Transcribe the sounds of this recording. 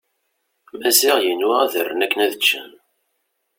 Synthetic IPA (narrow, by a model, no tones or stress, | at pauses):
mæzɪʁjənʊʁæðərːənækːənæðət͡ʃːə̰n